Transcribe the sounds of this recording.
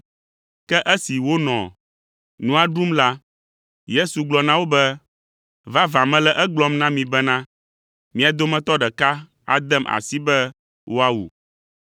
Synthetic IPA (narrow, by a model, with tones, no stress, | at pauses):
kɛ˦ʔɛ˦si˨wo˦nɔ̰̃˨ | nũ˦a˦ɖu˦mla˦ | je˦su˨ɡ͡blɔ˨nã˦wo˦bɛ˦ | va˦vã˨mɛ̃˦lɛ˦ʔɛ˦ɡ͡blɔ˦mnã˦mĩ˨bɛ˦nã˦ | mĩ˦a˨d̪o˦mɛ̃˦t̪ɔ˦ɖɛ˨ka˦ | a̰˨d̪ɛ˦mʔa̰˨si˦bɛ˦ | wʔo˦a˦wṵ˨